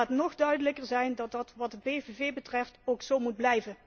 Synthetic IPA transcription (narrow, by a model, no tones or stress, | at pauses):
ətnɔχdœɥdələkəɹzɛjndɑt̚dɑtʋɑdəpejvevejbətrɛftowksowmud̚blɛjvən